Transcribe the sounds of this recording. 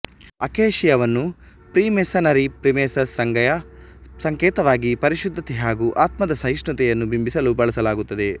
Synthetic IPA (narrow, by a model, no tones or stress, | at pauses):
ɐkeːʃijɐʋɐnːu | pɾiːmesɐnɐɾipɾimeːsɐsːɐŋɡɐjɐsɐŋkɛːt̪ɐʋaːɡipɐɾiʃud̪ʱːɐt̪ɛɦaːɡuʔaːt̪mɐd̪ɐsɐjiʂɳɐt̪ɛjɐnːubimbisɐlubɐɭɐsɐlaːɡut̪ːɐd̪e